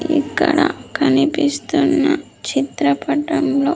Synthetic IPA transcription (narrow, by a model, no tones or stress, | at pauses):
ikːɐɽɐkɐnipist̪unːɐ | t͡ʃit̪ɾɐpɐʈɐmlo̞ː